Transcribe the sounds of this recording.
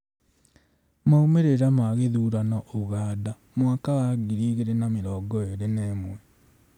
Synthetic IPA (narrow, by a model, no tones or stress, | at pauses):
maumeɾeɾamaɣeðuɾanɔʔoɣaːda | mwakawaɡiɾiɣeɾenameɾɔɡɔeɾenɛːmwɛ